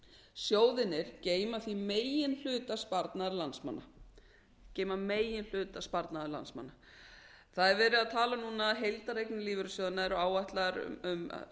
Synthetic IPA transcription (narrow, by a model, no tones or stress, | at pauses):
sjoːwðɪnːɪɾ̥ceːjmaθimeːjɪnl̥ʏːt̪aspaɾt̪naɾlansma̰nːa | ceːjmameːjɪnl̥ʏːt̪aspaɾt̪naðaɾla̰nsma̰nːa | θaðɛɾvɛːɾɪðaðt̪ʰaːlanuːnaɦejlt̪aɾejknɪliːvʏɾʏsjowðɪnaɛɾʏaːwvaht̪laɾ̰ʏm̰